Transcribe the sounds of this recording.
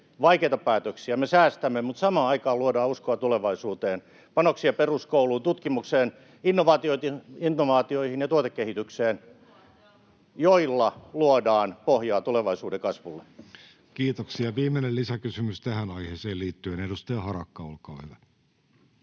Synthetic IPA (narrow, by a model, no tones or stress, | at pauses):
ʋɑikeit̪ɑpæːt̪øksiæmesæːst̪æmːemut̪sɑmɑːɑikɑːluodɑːuskoɑt̪uleʋɑisuːt̪eːn | pɑnoksiɑperuskouluːnt̪ut̪kimukseːn | inːoʋɑːt̪ioit̪inːoʋɑːt̪ioihinjɑt̪uot̪ekːehit̪ykseːn | joilːɑluodɑːnpohjɑːt̪uleʋɑisuːdekɑsʋulːe | kiːt̪oksiɑʋiːmˑenellisækysymyst̪æhænɑiheːseːliːt̪ːyenedust̪ɑjɑhɑɾɑkːɑolkɑːhyʋæ